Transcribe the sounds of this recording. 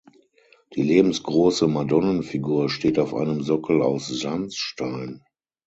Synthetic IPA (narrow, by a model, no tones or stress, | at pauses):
d̥iːleːbm̩sɡ̥ʁoːsəmadɔnənfiɡuːɐʃteːtaʊfʔa̰ɪnəmzɔkl̩a̰ʊszant͡sʃtaɪn